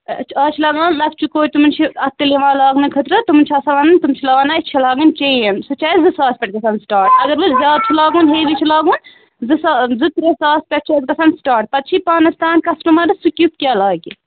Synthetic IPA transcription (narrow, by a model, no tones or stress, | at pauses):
t͡ʃʰaːt͡ʃʰilaːɡãːnlɐkt͡ʃʰikoːit̪umɨnt͡ʃʰiɐt̪ːileʋãːlaːɡnɨkʰɐt̪ɾɐt̪umɨnt͡ʃʰɐsɐʋaːnɨnt̪umt͡ʃʰilaːnaːit͡ʃʰilaːɡɐnt͡ʃejɐnsɨt͡ʃʰɐːjzɨsaːspʲɛɐʈ̚ɡɐsʰɐnsʈaːɾʈɐɡɐɾʋɨzʲjaːd̪̚t͡ʃʰilaːɡuːnɦeːʋit͡ʃʰilaːɡuːn | zɨszɨt̪ɾesaːspʲeʈ̚t͡ʃʰeʈ̚ɡɐsʰɐnsʈaːʈ̚pɐt̪̚t͡ʃʰipaːnɐst̪aːnkɐsʈɐmaɾɐsukʲjup̚kʲjaːlaːɡi